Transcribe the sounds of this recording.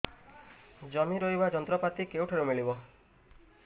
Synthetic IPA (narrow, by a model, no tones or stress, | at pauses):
d͡ʒɔmiɾoɦibad͡ʒɔnt̪ɾɔpat̪ikeuʈʰeɾumiɭibɔ